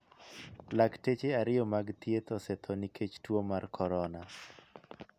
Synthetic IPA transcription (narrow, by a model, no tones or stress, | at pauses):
laktet͡ʃeaɾɪjɔmaɡt̪jet̪ɔsɛt̪ʰɔnikʰet͡ʃtwomarkʰɔɾɔna